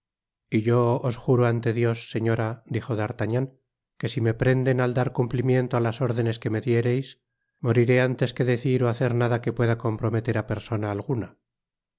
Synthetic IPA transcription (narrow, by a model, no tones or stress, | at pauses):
iʝo̞osxuɾoant̪e̞ðjo̞sːe̞ɲo̞ɾad̪ixo̞ðaɾt̪aɲaŋ | ke̞sime̞pɾe̞nd̪e̞nald̪aɾkumplimje̞nt̪oalaso̞ɾðe̞ne̞ske̞me̞ðje̞ɾe̞js | mo̞ɾiɾeant̪e̞ske̞ðe̞θiɾoaθe̞ɾnaðake̞pwe̞ðako̞mpɾo̞me̞t̪e̞ɾape̞ɾso̞naːlɣ̞una